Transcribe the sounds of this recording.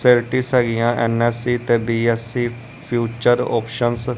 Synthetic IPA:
seɾʈiːsɦɛːɡijãːʔɛːnɛːsiːt̪eːbiːɛːsiː | pʰjuːt͡ʃəɾɔ̰ːpʰʃəns

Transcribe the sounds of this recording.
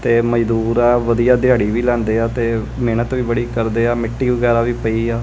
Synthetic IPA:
t̪eːməd͡ʒd̪uːɾaːʋəd̪ijaːd̪ɪjaːɽiːʋiːlɛ̃ːnd̪eːaːt̪eː | meːnət̪ʋiːbəɽiːkəɾd̪eːaːmɪʈːiːʋəɡɛːɾaːʋiːpəiːaː

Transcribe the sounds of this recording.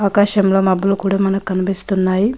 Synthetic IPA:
aːkaːʃɐmloːmɐbloːkuːɽaːmɐnɐkkɐnipist̪unːaːji

